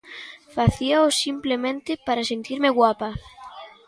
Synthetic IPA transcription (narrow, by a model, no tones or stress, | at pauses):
faθiaosimplemẽnt̪epaɾasent̪iɾmeɣwapa